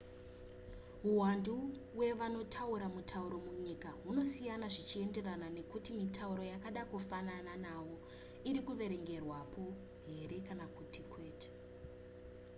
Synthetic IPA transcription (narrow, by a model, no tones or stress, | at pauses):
ɦuwanduwe̞ʋano̞tʰauɾamutʰauɾo̞muɲikaɦuno̞sijanaʐit͡ʃie̞nde̞ranane̞kutimitauɾo̞jakaɗakufanananawo̞ | iɾikuʋe̞ɾe̞ŋɡe̞rwapʰo̞ | ɦe̞ɾe̞kanakutʰikʰwe̞ːte̥